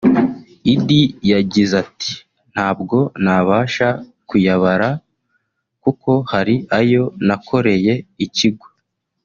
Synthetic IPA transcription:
idijaɟizati̥ | n̥haːb̚ɡo̞naβaːʃakujaβaɾa | kuko̞haɾiajo̞nakʰo̞ɾe̞je̞iciɡwo

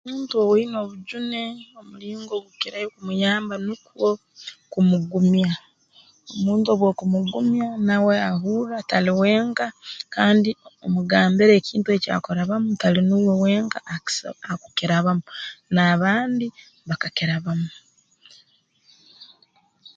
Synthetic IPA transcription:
omuːntuowino̞ːβuɟune̞o̞muliːŋɡo̞ɡukiɾajokumujaːmbanukwo̞ | kumuɡumja | o̞muːntuoβwokumuɡumjanawe̞aɦuːɾataliwe̞ːŋkakaːndiomuɡaːmbeɾe̞ːciːntue̞ːca̰ko̞ɾaβamutalinuːwowe̞ːŋkaaku̥kiɾaβamunaːβaːndi | βakakiɾaβamu

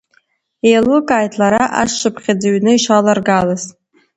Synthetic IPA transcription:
elukʼaːjtʰlaɾaʔasʂɨpχʲad͡zaɥnɨiʃalarɡalaz

